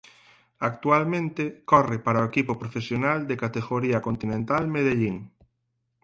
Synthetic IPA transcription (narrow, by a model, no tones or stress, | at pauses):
ak̚t̪ualmẽnt̪ekɔrɪpaɾaoekipopɾofesjonald̪ekat̪eɣoɾiɐkont̪inẽnt̪almeðeʎiŋ